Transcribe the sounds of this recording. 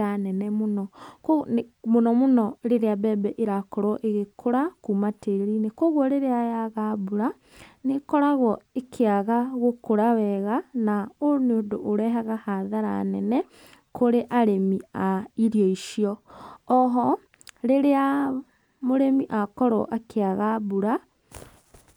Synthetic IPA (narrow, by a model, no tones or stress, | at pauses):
anɛnɛmonɔkomonɔmonɔɾeɾeabɛbɛʔeɾakɔɾɔʔeɣekʰoɾakumateɾinekoɣwɔɾeɾeajaɣabuɾa | nekɔɾaɣɔekʰeaɣaɣokoɾawɛɣanaoneodoʔːɾɛɦaɣahaðaɾa̰nɛnɛ | koɾeʔaɾemiaiɾjɔiʃiɔː | ɦɔ | ɾeɾea | moɾemiʔakɔɾɔ̰ʔakʰeaɣabuɾa